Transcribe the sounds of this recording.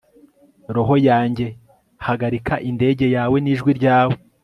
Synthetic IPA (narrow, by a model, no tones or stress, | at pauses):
ɾo̞ɦo̞jaːɲɟe̞ | haɡaɾikaʔinde̞ːɟe̞jaːwe̞niːʒɡwiɾɟaːwe̞